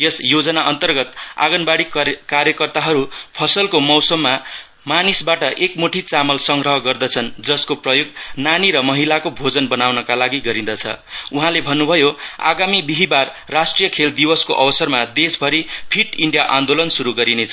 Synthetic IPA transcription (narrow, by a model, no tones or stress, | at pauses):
jʌsjod͡zʌnaʔʌnt̪ʌrɡʌt̪a̰ɡʌnbaɽikaɾjʌkʌrt̪aɦʌɾupʰʌsʌlkomʌwsʌmːa | manisbaʈʌʔekmoʈʰit͡samʌlsʌŋɡɾʌɦʌɡʌrd̪ʌt͡sʰʌnd͡zʌskoprʌjoɡnaniɾʌmʌɦilakobʱod͡zʌnbʌnawnʌkalaɡiɡʌɾĩd̪ʌt͡sʰʌ̰uɦãlebʱʌnːubʱʌjoa̰ɡamibiɦibarːasʈrijʌkʰeld̪ibʌskoʔʌbʌsʌrmad̪esbʱʌɾipʰiʈiɳɖijaʔand̪olʌnsuɾuɡʌɾinet͡sʰʌ